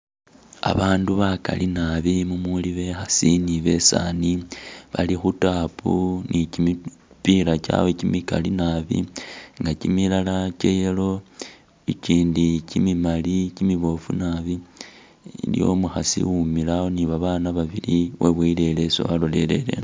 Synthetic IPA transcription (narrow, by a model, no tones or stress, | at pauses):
a̰βaːnduβaka̰linaβimumuliβe̞xasiniβe̞sa̰niβalixutaːpunicimi | piɾaca̰wecimika̰linaβḭŋɡacimilalace̞jelo̞ | iciːndicimimalicimiβo̞funaβi | ljo̞̰muxasḭwumilaoniβaβaːnaβaβiliweβwile̞leso̰βalo̞le̞le̞̰le̞̰